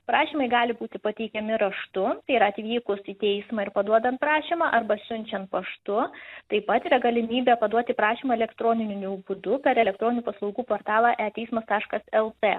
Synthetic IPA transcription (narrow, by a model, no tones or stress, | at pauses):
pɾɑːʃʲiːmɐɪɡɑːlʲɪbuːt̪ʲɪpɐt̪ʲɛɪkʲɛmʲɪɾɐʃt̪ʊt̪ɐiɾɐɐt̪ʲʋʲiːkʊsit̪ʲɛɪsmɐːɪɾpɐd̪uɔd̪ɐnt̪̚pɾɑːʃʲimɑːʔɐɾbɐsʲʊnʲt͡ʃʲɛnt̪̚pɐʃt̪ʊt̪ɐɪpɐt̪iːɾɐɡɐlʲɪmʲiːbʲɛpɐd̪uɔt̪ʲɪpɾɑːʃʲiːmɐɛlʲɛkt̪ɾoːnʲɪnʲɪnʲubʊd̪ʊpʲɛɾɛlʲɛk̚t̪ɾoːnʲɪnʲuːpɐslˠɐʊɡuːpoːrt̪ɑːlˠɑʔæːt̪ʲɛɪsmɐst̪ɑːʃkɐsɛlˠt̪eː